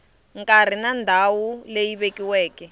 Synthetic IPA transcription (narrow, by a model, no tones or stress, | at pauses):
ŋkʼar̤inandʱawulejiβekiwɛːkɛ